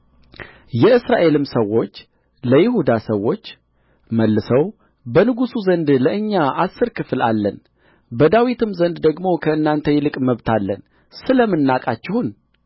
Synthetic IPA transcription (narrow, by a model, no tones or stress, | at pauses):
jɛɨsɾaʔe̞lɨmsəwːo̞t͡ʃː | ləjɪhud̪asəwːo̞t͡ʃː | məlːɨsəw | bənɨɡusuzənd̪ləʔɨɲːaʔasːɨɾkʰɨflalːən | bəd̪awit̪ɨmzənd̪d̪əɡmo̞kʰəɨnːant̪ʰəjɛlɨkʼməβt̪ʰalːə̰n | sɨləmɨnːakʼat͡ʃːɪhun